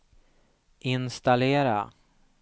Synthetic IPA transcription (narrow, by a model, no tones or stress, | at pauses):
ʔɪnst̪aleːɾa̰